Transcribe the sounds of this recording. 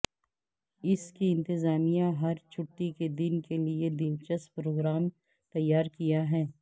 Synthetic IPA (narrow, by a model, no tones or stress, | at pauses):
ɪskiɪ̃nt̪ɪzaːmijãɦɐɾt͡ʃʰʊʈːiked̪ɪnkelied̪ɪnt͡ʃəspɾoːɡɾaːm | t̪ɐjːaːɾkijaɦɛː